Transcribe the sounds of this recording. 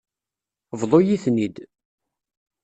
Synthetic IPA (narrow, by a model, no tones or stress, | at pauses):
vðˤojiθnid̪